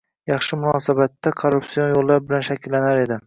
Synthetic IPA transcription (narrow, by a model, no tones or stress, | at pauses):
jɑχʃɪmʊnɒsabat̪ːakʰoɾːupsionjolˠːaɾbɪlanʃakʲʰɪlːanaɾe̞d̪ɪ